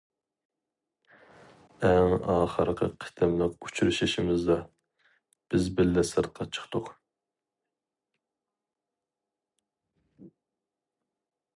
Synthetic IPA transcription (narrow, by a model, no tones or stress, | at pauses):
ɛŋɑːχəɾqʰə̰qʰɪ̥t̪ʰɪmlɪku̥t͡ʃʰɾɪʃiʃɪmɪzd̪ɑ | b̥ɪzbɪlːɛsɨɾ̚qʰɑt͡ʃʰə̥χt̪ʰʊq